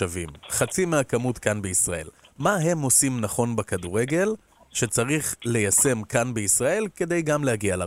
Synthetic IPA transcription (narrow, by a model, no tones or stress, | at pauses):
avḭmχat͡simeakamutkanbeisʁaʔe̞̰lmaɦe̞mo̞simnaχo̞nbekaduʁe̞ɡe̞l | ʃe̞t͡saʁiχle̞jase̞mkanbeisʁae̞lke̞d̪e̞jɡamlehaɡiala